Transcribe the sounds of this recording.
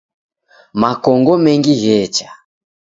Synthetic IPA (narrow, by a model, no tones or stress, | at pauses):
makɔŋɡɔmɛŋɡiɣɛːt͡ʃḁ